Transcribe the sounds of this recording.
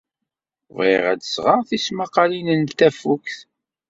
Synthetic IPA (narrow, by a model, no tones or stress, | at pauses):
viʁæ̰d̪əsʁɑʁθismaqːɑlinənt̪æfukθ